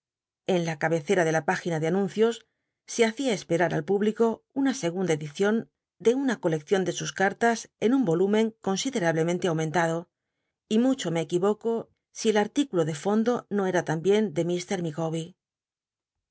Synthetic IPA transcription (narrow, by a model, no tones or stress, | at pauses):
e̞nlakaβe̞θe̞ɾaðe̞lapaxinaðeanũnθjo̞sː | eaθiae̞spe̞ɾaɾa̰lpuβliko̞unase̞ɣ̞und̪ae̞ðiθjo̞n | d̪e̞unako̞le̞kθjo̞nd̪e̞suskaɾt̪ase̞numbo̞lumẽ̞ŋko̞nsiðe̞ɾaβle̞mẽ̞nt̪e̞awmẽ̞nt̪aðo̞ | imut͡ʃo̞me̞ːkiβo̞ko̞ | sielaɾt̪ikulo̞ðefo̞nd̪o̞no̞e̞ɾat̪ambje̞nd̪e̞mist̪e̞ɾmiɣo̞βi